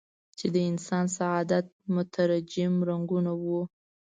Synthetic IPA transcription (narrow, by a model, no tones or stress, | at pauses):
t͡ʃed̪əɪnsɑnsaɑd̪at̪̚mʊt̪ʰaɾad͡ʒɪmɾaŋɡunawu